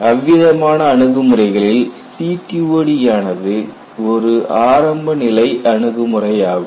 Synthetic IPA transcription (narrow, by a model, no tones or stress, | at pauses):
ɐʋɪðɐmaːnɐːɳɯɣɯmɯrɐɪɣɐɭɪl | siːʈːioːɽijaːnɐðɯ | ɔɾɯʔaːɾɐmbɐnɪlɐɪʔɐɳɯɣɯmɯrɐjaːɣɯm